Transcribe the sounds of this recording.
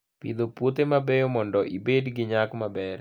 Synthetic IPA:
pḭd̪opwot̪emabɛjomɔndɔʔibedɡɪɲakmabɛɾ

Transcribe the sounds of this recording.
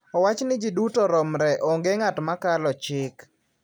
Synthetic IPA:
ɔwat͡ʃnɪd͡ʒidutɔɾɔmɾɛʔɔŋɡeŋatmakalɔt͡ʃɪk

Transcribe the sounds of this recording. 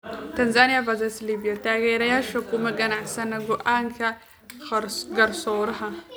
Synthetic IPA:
tɐnzanijavazɐsliːbijataɡɛɾɐjaʃɐkumɐɡɐnaʕsɐnɐɡʊʔaŋkʰa | ɡɐɾsoɾɐɦa

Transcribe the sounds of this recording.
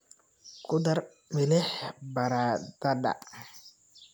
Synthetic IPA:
kud̪aɾ | melɛhbaɾad̪̥ada̰

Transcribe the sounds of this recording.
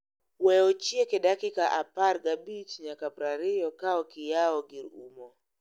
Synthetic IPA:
wɛɔt͡ʃiɛkɛɗakikaʔapaɾɡabit͡ʃɲakapɾaɾijɔkaɔkijaɔɡiɾumɔ

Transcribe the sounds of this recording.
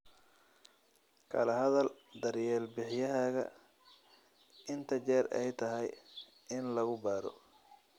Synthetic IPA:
kʰɐ̰lɐɦɐðɐld̪ɐrjɛːlbɪħjɐɦaːɣɐ̰ | ɪnt̪ʰɐt͡ʃɛːɾɛjt̪ʰɐɦɛj | ɪnlɐɣʊbaːɾɔ̰

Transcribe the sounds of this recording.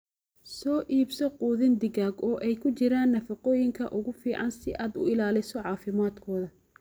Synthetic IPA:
sɔːʔiːbsɔquːðɪnd̪ɪɣaːɡɔːʔɛjkʰʊt͡ʃɪɾaːnːɐfɑqɔːjɪŋkʰɐʔʊɣʊfiːʕɑnsɪʔaːd̪ʊ̰ɪlaːlɪsɔʕɑːfɪmaːd̪kʰɔːðɐ

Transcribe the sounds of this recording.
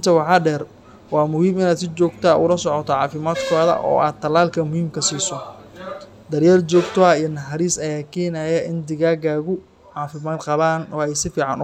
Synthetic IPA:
nt̪ʰɐwɑħɑːɖɛːr | wɑːmʊhiːmɪnaːd̪sɪt͡ʃɔːɡt̪ʰaʔʊ̰lɐsɔʕɔt̪ʰɔʕɑːfɪmaːd̪kʰɔːðɐ̰ʔɔ̰ːʔaːd̪̚t̪ʰːɐlaːlkʰɐmʊhiːmkʰɐsiːsɔ | d̪ɐrjaːrt͡ʃɔːɡt̪ʰɔɐijɐnɐħɑɾiːsɐjaːkʰɛːnajɛʔɪnd̪ɪɣaːɡaːɣʊ | ʕɑːfɪmaːd̪qɑβaːnwɑɛjsɪfiːʕɑnʊ

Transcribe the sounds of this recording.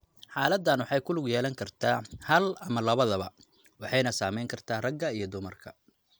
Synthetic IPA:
ħɑːlɐd̪ːɐnwɑħɑjkʰʊlʊɡjɛːlɐŋkʰɐrt̪ʰaːhɐlɐmɐlɐβɐðɐβɐ | wɑħɑjnɐsaːmɛjŋkʰɐrt̪ʰaːrɐɡɐijɞd̪ʊmɐrkʰɐ

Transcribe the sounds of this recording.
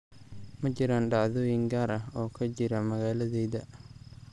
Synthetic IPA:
mɐt͡ʃɪɾanɖɑʕðɔːjɪŋɡaːɾɐɔːkʰɐd͡ʒɪɾɐmɐɣaːlɐðɛjðɐ

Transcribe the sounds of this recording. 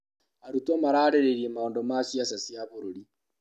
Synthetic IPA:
aɾutomaɾaːɾeɾeɾiemaondomaːsiasasiaβoɾoɾi

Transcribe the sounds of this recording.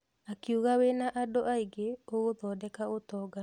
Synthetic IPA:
akiuɣawenaʔadɔʔaiɡeoɣoðɔdɛkaot̪ɔɡa

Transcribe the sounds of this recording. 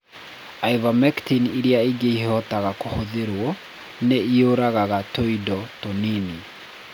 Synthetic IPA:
aivamɛktiniɾiaiɡeihɔtaɣakohoðeɾwɔ | neioɾaɣaɣatoidɔtonini

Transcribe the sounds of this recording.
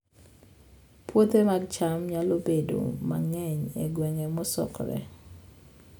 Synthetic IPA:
pʰwot̪emaɡt͡ʃamɲalobedo̰ma̰ŋɛɲḛɡwɛŋɛmɔsɔ̰kɾɛ̰

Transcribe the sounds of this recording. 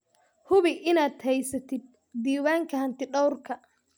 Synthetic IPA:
hʊβɪʔɪnaːd̪hɛjsɐt̪ʰɪd̪̚ːiːwaːŋkʰɐhɐnt̪ɪɖɔwrkʰɐ

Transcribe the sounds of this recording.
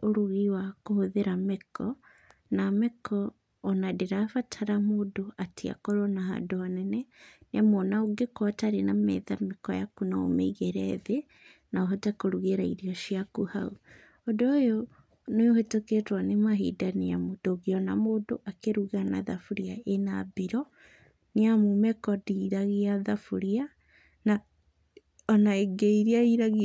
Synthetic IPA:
oɾuɣiwakohoðeɾamekʰɔ | namekʰɔː | nadeɾafatʰaɾamodoatʰia̰kɔɾɔnaɦa̰ːndoanɛnɛneamɔnaoɡekɔtaɾenamɛ̰ðamekɔjakunao̰mḛiɣeɾɛðe | naoɦɔtakoɾuɣeɾaiɾiɔʃiakuhau | ɔdoojo | nojoheteketwanemaɦḭdaneamod̥oɣiɔnamoːdoʔakeɾuɣana̰ðafuɾiaʔenabiɾɔ | neamumɛkɔdiɾaɣiaðafuɾia | na | ɔnaeɡeiɾiaiɾaɣi

